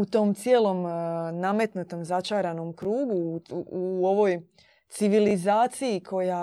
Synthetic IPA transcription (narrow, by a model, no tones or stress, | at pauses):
ut̪o̞ːmt̪sje̞ːlo̞mname̞t̪nut̪o̞mzat͡ʃaːɾano̞mkɾuːɡuuo̞ʋo̞j | t̪siʋilizaːt̪sijikʰo̞ja